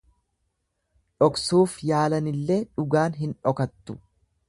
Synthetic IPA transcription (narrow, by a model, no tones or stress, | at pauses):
ᶑɔksuːfjaːlɐnɪlːeːᶑʊɡaːnɦɪnᶑɔkɐt̪ːʊ̥